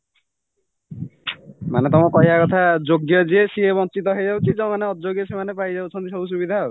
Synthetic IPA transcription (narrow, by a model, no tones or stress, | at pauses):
manet̪ɔmɔkɔɦiakɔt̪ʰad͡ʒoɡjɔd͡ʒiesiebɔŋt͡ʃit̪ɔɦed͡ʒawt͡ʃʰid͡ʒɔmaneɔdd͡ʒoɡjɔsemanepajd͡ʒawt͡ʃʰɔ̃nt̪isɔbus̬ubid̪ʱa